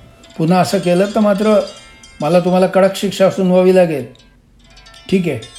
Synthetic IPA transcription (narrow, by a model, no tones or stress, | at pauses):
pun̤əəsəːkelət̪ːəmat̪ɾə | məlat̪̬um̤alakəɽəkɕikʂaəsuːnʋəʋiːlaɡel | ʈʰiːk̬e